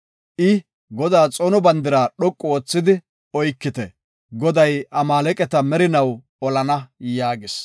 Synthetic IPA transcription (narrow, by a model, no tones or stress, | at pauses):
ʔɪ | ɡɔd̪aːt͡sʼɔnɔbɐnd̪ɪɾaːɗɔkʼːoːt͡sːɪd̪ɪ | ɔjkːɪt̪ɛ | ɡɔd̪ɐjʔɐmaːlɛkʼɛt̪ɐmɛɾɪnɐw | ɔlɐnɐjaːɡɪs